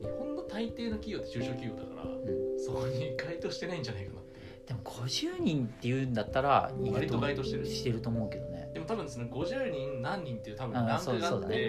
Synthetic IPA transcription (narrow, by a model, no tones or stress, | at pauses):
ɲihõ̞nːo̞t̪ait̪e̞ːnokʲijo̞ːt̪ːe̞t͡ɕɨːɕoːkʲijo̞ːd̪akaɾa̰ɯ̃so̞koɲiɡait̪o̞ːɕi̥t̪e̞naĩɲ̟d͡ʑanaikana | d̪̥e̞mo̞ɡo̞ʑɨːɲ̟ĩnt̪ːe̞jɯ̟nd̪at̪ːaɾa̰ɲiaɾitooɡait̪oɕi̥t̪eɾɯɕi̥t̪e̞ɾɯ̟t̪o̞ːmo̞ɯ̟ke̞d̪o̞ned̪e̞mot̪abɯ̟̃sonoɡo̞ʑɨːɲĩnnːãɲːĩnt̪ːe̞jiɯ̟t̪abɯ̟ãːsoːso̞ːd̪a̰ee